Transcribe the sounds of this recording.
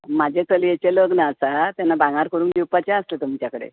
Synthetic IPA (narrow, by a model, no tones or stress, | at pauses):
mad͡ʑʱet͡səlijet͡ɕeləɡnəːsat̪janːabãŋɡaɾkəɾuːŋkd̪iwpat͡ɕãəslet̪um̤t͡ɕjakəɽḛ